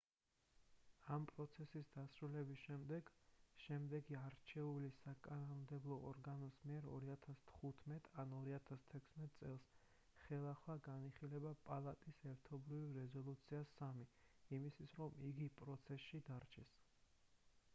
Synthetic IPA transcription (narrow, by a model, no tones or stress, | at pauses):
ampʼɾɔt̪sʰɛsisd̪asɾulɛbisʃɛmd̪ɛɡʃɛmd̪ɛɡiaɾt͡ʃʰɛulisakʼanɔmd̪ɛblˠɔɔ̰ɾɡanɔsmiɛɾɔ̰ɾiat̪ʰast̪ʰχut̪ʰmɛt̪ʼanɔɾiat̪ʰast̪ʰɛkʷʰsmɛt̪̚ʼsʼɛlˠs | χɛlˠaχwaɡaniχilɛbapʼalˠat̪ʼisɛɾt̪ʰɔbɾivɾɛzɔlˠut̪sʰiasːamiimisʰisɾɔmiɡipʼɾɔt̪sʰɛsʃid̪aɾt͡ʃʰɛs